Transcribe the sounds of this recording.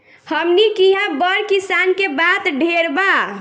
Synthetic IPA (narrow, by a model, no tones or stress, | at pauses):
həmnikiɦãbəɾkisankebat̪ɖʱeɾba